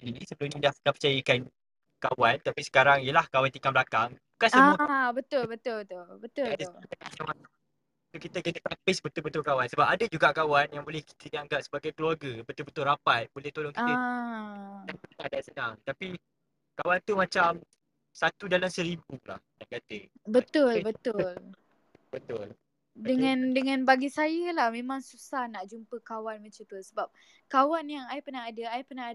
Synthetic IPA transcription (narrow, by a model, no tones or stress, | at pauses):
inisəbəlʊmɲadahnapət͡ʃajakan | kawant̪apisə̥kaɾaŋijəlahkawant̪ikambəlakaŋbukansəmuəbət̪ʊlbət̪ʊlbət̪ʊlbət̪ʊlbadsʊlaaamaa | sokit̪əkənət̪apɪsbət̪ʊbət̪ʊlkawansəbapadad͡ʒuɡaʔkawanjaŋbolɛhki̥t̪ədiaŋɡaʔsəbaɡajkəluaɡabət̪ʊlbət̪ʊlrapajbolɛht̪olɔŋkit̪ə | aadaʔsənaŋt̪api | kawant̪umat͡ʃam | sat̪udalamsəɾibula̰hjankat̪əbət̪ʊlbət̪ʊl | bət̪ʊl | dəŋãndəŋãnbaɡisajəlahmẽmãŋsusahnaʔd͡ʒumpəkawanmət͡ʃat̪usəbap̚ | kawanjaŋajpənaadaajpənaa